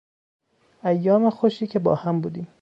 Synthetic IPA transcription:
æjːɒːmexoʃiːcʰebɒ̰ːhæmbuːd̪iːm

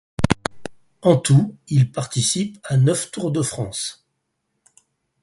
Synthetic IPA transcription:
ɑ̃t̪uilpaʁt̪isipanœft̪uʁd̪əfχɑ̃s

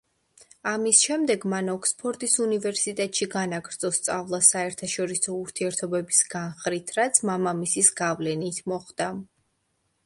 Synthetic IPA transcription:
amisʃɛmd̪ɛɡmanɔkʰspʰɔɾt̪ʼisunivɛɾsit̪ʼɛt̪ʼʃiɡanaɡɾd̪sʰʼɔst̪sʼavlˠasaɛɾt̪ʰaʃɔɾisɔuɾt̪ʰiɛɾt̪ʰɔbɛbisɡ̥anχɾit̪ʰɾat̪sʰmamamisisɡavlɛnit̪ʰmɔχd̪̥a

